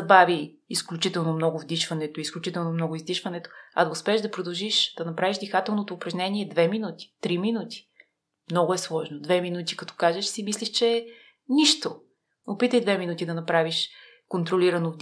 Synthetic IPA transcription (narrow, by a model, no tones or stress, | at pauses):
ɐbaviː | sklʲut͡ʃit̪ɛlˠnomnɔɡʊvd̪iʃvɐnɛt̪oisklʲut͡ʃit̪ɛlˠnomnɔɡʊizd̪iʃvɐnɛt̪o̥ɐ̰d̪ɐʊspɛːʒd̪ɐpɾod̪ɐlˠʒiʃd̪̥ɐnɐpɾaviʒd̪ɛxat̪ɛlˠnot̪oːpɾɐʒnʲɛniɛd̪vɛminut̪ʲi̥t̪ɾiminut̪i̥ | mnɔɡʊɛslˠɔʒnod̪vɛminut̪i̥kɐt̪ɔ̥kaʒɛʃsimisliʃt͡ʃɛ | niʃt̪o | opit̪əjd̪vɛminut̪ʲid̪ɐnɐpɾaviʃ | kont̪ɾoliɾɐnov